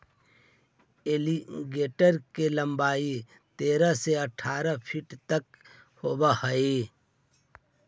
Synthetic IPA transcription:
eliɡeːʈəɾkelə̃mbaːi | t̪eːɾəseəʈʰaːɾəpʰiʈt̪ək | hoːbahəe

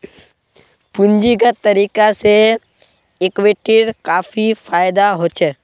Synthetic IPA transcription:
pʊ̃nd͡ʒiɡat̪əɾiːkase | ɪkʋeʈɪɽkaːfʰifʰaːjɪd̪aɦot͡ʃʰeː

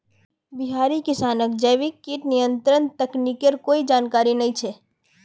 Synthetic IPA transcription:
biɦaɾikɪsanəkd͡ʒəʋikːiʈnijənt̪ɾənt̪əknikeɾkoid͡ʒankaɾinəĩt͡ʃʰe

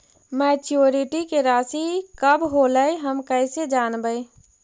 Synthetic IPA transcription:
mɛt͡ʃoɾiʈikeɾaːsikəbɦoləjɦəmkəɪsed͡ʒanbəj

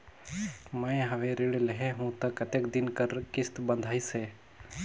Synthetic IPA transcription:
mə̃ẽɦɐʋeɾɪɽləɦeɦũːt̪ɐkɐt̪ekd̪ɪnkəɾkɪst̪bənd̪ʱaːiseː

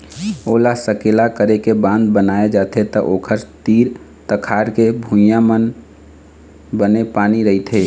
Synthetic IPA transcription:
oːlasəkeːlakəɾekebãːnd̪bənaːed͡ʒaːt̪et̪əʔoːkʰəɾt̪iːɾ | t̪əkʰaːɾkebʱũjamən | bənepaːniɾəɦit̪ʰɦeː

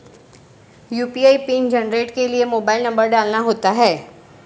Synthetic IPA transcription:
juːpiaːipiːnd͡ʒɐnɾeːʈkeliemoːbaːɪlnɐ̃mbəɾɖaːlnaɦoːt̪aɦɛː

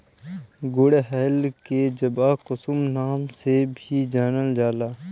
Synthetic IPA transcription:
ɡʊɽeɦɛːlked͡ʒəbaːkʊsumnaːmsebʱid͡ʒaːnəld͡ʒaːlaː

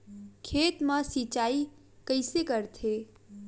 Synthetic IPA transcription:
kʰeːt̪mãsit͡ʃai | kəɪsekəɾt̪ʰe

